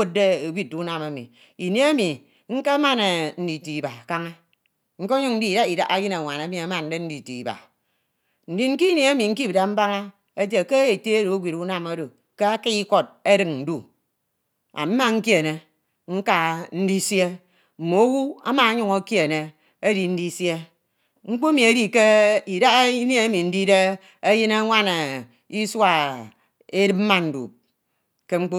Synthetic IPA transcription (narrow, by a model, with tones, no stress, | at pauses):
o˦t̚de˦e˨ɡʷi˦t̚u˦na˨me˨mḭ˨ | i˨ne˦e˦mi˨ | ŋ̩˦ke˦ma˦ne˨n̩˦di˨ti˨i˨ba˨ka˦ŋa˦ | ŋ̩˦ko˦ɲu˦n̩˦di˦˨da˦i˨da˦ʔa˦ji˦na˨ŋʷa˨na˨˦mi˨a˨ma˨n˨de˦n̩˦di˨ti˨i˨ba̰˨ | n̩˨di˦ŋ̩˦ki˦ne˨e˦mi˨ŋ̩˦k̬i˦bda˨m̩˦ba˦ŋa˦ | e˦d͡ʒe˨ke˦je˨te˦e˦ɾo˨o˦ɡʷi˨tu˦na˦mo˦do˨ | ke˦a˦ki˦i˦ko˦t̚e˦ɾɨ˨ŋn̩˨du˦ | a̰˨m̩˦ma˦ŋ̩˦kje˦˨ne˨ | ŋ̩˦ka˦n̩˦di˦sje˦ | m̩˨mo˨˦wu˦a̰˦ma˨a˦ɲu˨ŋo˦kje˦˨ne˨ | e˦ɾi˨n̩˦di˦sje˦ | ŋ͡m̩˦k͡pu˦mi˨e˦ɾi˨ke˦i˨da˦i˦n˦e˦e˦mi˨n̩˦di˦de˦ | e˦jɨ˦na˦ŋʷa˦ne˨ | i˦swa˨ | e˦dɨ˦p̚m̩˦ma˦n̩˨dṵ˨p̚ | ke˦ŋ͡m̩˦k͡pu˦